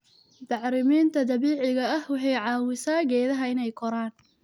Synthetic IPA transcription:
d̪ɑʕɾɪmiːnt̪ʰɐd̪ɐβiːʕɪɣɐɐhwɑħɑjʕɑːwɪsaːɡɛːðɐɦɐɪnɛjkʰɔɾaːn

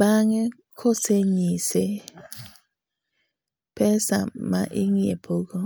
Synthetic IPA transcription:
baŋɛ | kʰoseɲise | pɛsa̰ma̰ʔiŋiḛpʰoko

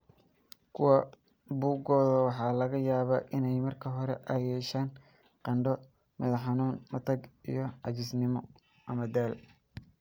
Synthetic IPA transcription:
kʰʊwɐ | buːɡɔːðɐwɑħɑːlɐɣɐjaːβaʔɪnɛjmɐrkʰɐɦɔɾɛʔɐjɛːʃaːn | qɑɳɖɔ | mɛðɐħɑnuːnmɐt̪ʰɐɡḭjɞɑt͡ʃɪsnɪmɔ | ʔɐmɐd̪aːl

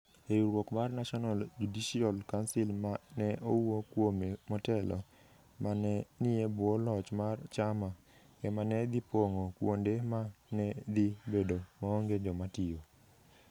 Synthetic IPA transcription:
euɾwokmarnaʃɔnald͡ʒudiʃiɔlkansɪlmanɛʔowokwomemɔtɛlɔ̰ | manɛnɪebolɔt͡ʃmart͡ʃama | kɛmanɛd̪ipoŋokwondemanɛd̪ibedomaoŋɡed͡ʒɔmatɪo

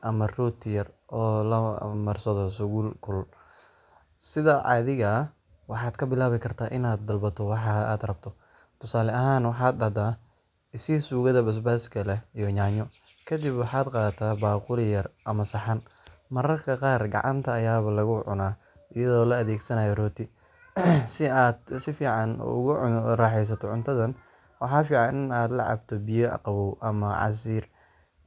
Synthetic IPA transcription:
ʔɐmɐrɔːt̪ʰɪjɐrʔɔːlɐmɐrsɐðɔsʊɣuːlkʰʊl | sɪðɐʔɑ̰ːðɪɣɐ | wɑħɑːd̪̥kʰɐbɪlaːβɪkʰɐrt̪ʰaːʔɪnaːd̪̚ːɐlbɐt̪ʰɔwɑħɑa̰ːd̪rɐbt̪ʰɔ | t̪ʰʊsaːlɛɐɦaːnwɑħɑːd̪dɐd̪aː | ɪsisuːɣɐðɐbɐs̬baːskʰɐlɛijɔɲaːɲɔkʰɐd̪ɪbwɑħaːd̪qɑːt̪ʰaːbaːqʊlɪjɐrʔɐmɐsɐħɑnmɐɾɐrkʰɐqɑːrɡɑ̰ʕʔɑ̰nt̪ʰɐːjaːβɐlɐɣʊʕʊ̰naː | ɪjɐðɔːlɐːðɛːɡsɐnaːjɔrɔːt̪ʰɪ | sɪad̪sɪfiːʕɑnʊ̰ɣʊraːħɛs̬ɐt̪ʰɔʕʊnt̪ʰɐðɐn | wɑħɑːfiːʕɑnɪnaːd̪lɐ̰ʕɑ̰b̚t̪ʰɔbɪjɔʔɐ̰qɑβɔwʔɐmɐʕɑ̰s̬iːr

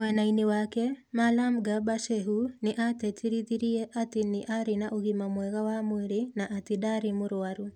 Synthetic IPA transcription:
wɛnainewakɛmalamɡabaʃɛɦuneʔatɛtiɾiðiɾiɛʔateneʔaɾenaʔoɣimamwɛɣawamweɾenaʔatedaɾemoɾwaɾu

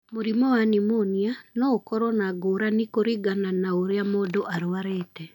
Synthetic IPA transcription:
moɾimɔwanimonianɔokɔɾɔnaɡoːɾanikoɾiɡananaoɾeamodoʔaɾoaɾeːtɛ

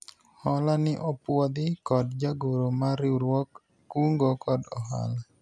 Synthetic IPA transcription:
hɔlanɪʔɔpwɔd̪ɪkɔdd͡ʒaɡoɾomaɾɪɾwɔkː | uŋɡokɔdɔ̰ɦa̰la

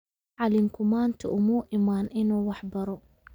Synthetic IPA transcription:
ʕɑlɪmkʰʊmaːnt̪ʰɐʔʊmuʔɪmaːnʔɪnuːwɑħbɐɾɔ

